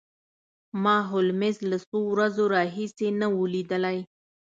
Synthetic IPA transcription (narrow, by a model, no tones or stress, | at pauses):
mɑɦʊlmɪzlasowɾazoɾɑɦisenawulid̪əlaj